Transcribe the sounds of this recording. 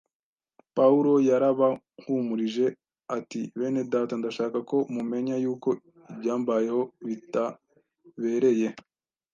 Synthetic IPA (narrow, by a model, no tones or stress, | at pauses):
pauɾo̞jaɾaβa | ŋ̥humuɾiʒe̞ | atiβe̞ːne̞daːtandaʃaːkako̞mume̞ɲajuːko̞ | ibɟaːmbaje̞ho̞βita | βe̞ɾe̞je̞